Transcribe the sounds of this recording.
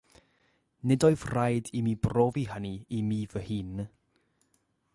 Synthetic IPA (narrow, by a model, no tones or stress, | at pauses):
nɪdoɨvrajdimiːbroːviɦəniimiːvəhɨːn